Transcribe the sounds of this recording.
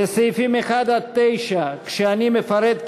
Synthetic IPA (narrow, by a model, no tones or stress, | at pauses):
esejfimexad̪at̪ːejʃakʃeanimefɐɾed̪